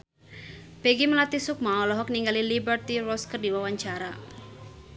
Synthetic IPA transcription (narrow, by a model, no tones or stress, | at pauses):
peɡiməlat̪isʊk̚maɔlɔɦɔk̚niŋɡalilibərt̪iɾɔskərdiwawaɲt͡ʃaɾa